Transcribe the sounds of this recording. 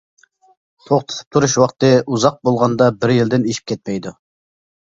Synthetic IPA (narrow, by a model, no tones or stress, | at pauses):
t̪ʰoχt̪ʰɨ̥t̪ʰɨ̥p̚t̪ʰuɾuʃwɑqt̪ɨuzɑq̚bolˠʁɑnd̪ɑbɪɾjɪld̪ɪneʃi̥p̚kʲʰɛt̪̚mɛjd̪u